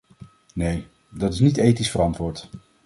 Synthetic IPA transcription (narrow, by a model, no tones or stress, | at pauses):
nej | dɑtɪsnitejtisfərɑntʋʊːɹt